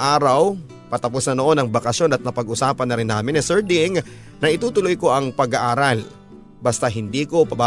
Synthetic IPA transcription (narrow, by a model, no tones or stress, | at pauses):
ʔaːɾɐw | pɐt̪ɐposnɐnoʔo̞nɐŋbɐkɐsjo̞nɐt̪̚nɐpɐɡʔʊsaːpɐnːɐɾɪnːaːmɪnɛsɛɹd̪ɪŋ | nɐʔɪt̪uːt̪ʊlojko̞ʔɐŋpɐɡaʔaːɾal | bɐst̪aɦɪnd̪iːko̞pɐba